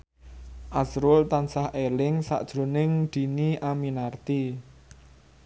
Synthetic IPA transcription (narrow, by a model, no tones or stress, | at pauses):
ʔasɾʊlt̪ansahelɪŋsa̰ʔd̥ʒ̥ɾo̤nɪŋd̪̥i̤niʔaminart̪i